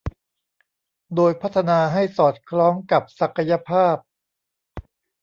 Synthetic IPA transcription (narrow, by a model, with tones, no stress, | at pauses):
doː˧jpʰa˦˥t̪ʰːa˧naː˧ɦa˥˩jsɔː˨˩t̪̚kʰɾɔː˦˥ŋka˨˩p̚sa˨˩kʰːa˧ja˧pʰaː˥˩p̚